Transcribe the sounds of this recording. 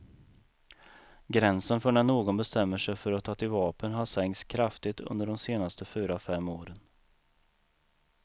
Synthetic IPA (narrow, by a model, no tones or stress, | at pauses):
ɡɾɛnsənfœɳɛɳoːɡɔnbɛst̪ɛmːəʂɛjfœɾɔt̪ʰɑːt̪ɪlvɑːpənɦaʂɛŋt̪skʰɾaft̪ɪt̪ʰɵ̰nd̪əɖɔmseːnast̪ʰəfyːɾafɛmːoːɾən